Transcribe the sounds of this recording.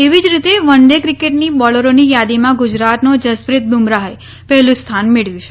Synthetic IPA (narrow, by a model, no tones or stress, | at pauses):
eʋid͡ʒɾit̪eʋəɳɖekɾikeʈnibɔləɾonijad̪imãɡud͡ʒɾat̪nod͡ʒəspɾɪt̪̚bumɾaɦae | pɛɦlũst̪ʰanmeɭʋjũt͡ʃʰe